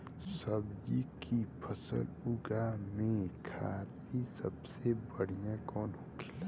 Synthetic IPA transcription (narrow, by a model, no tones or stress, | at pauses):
səbd͡ʒikʰipʰəsə̰lʊɡamẽkʰa̰ːt̪isəbsebəɽ̤ijãkɔːnɦoːkʰɪla